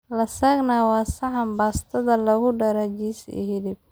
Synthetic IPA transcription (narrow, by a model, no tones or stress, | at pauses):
lɐsaːɡnaːwɑːsɐʕɐmbaːst̪ʰɐðɐlɐɣʊɖɐɾɐd͡ʒisɪ̰ɦɪlɪb̚